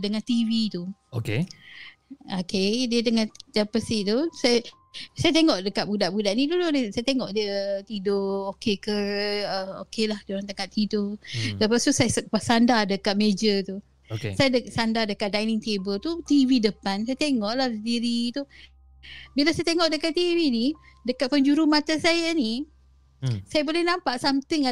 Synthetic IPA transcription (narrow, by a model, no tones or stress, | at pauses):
dəŋant̪ivit̪uoke | okediədəŋandapəsit̪usaj | sajat̪eŋɔʔdəkat̪ʔ̚budaʔbudaʔnit̪ududsajət̪eŋɔʔdəət̪idookekəəo̰kelahdoɾaŋt̪əkat̪idoləpast̪usaspasandadəkat̪̚med͡ʒət̪u | kesajaəsandadəkat̪̚dajnɪŋt̪ebəlt̪ut̪ividəpansajat̪eŋɔʔlahsəndiɾit̪u | bilasajat̪eŋɔʔdəkat̪ːivini | dəkat̪̚pəɲd͡ʒuɾumat̪asajani | sajabolɛhnampaʔsamt̪iŋa